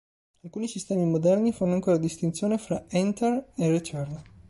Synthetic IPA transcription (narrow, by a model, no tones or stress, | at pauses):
alkuːnisist̪ɛːmimod̪ɛrnifanoaŋkoːɾad̪ist̪int̪sjoːnefɾaɛnt̪ereret͡ʃɛrn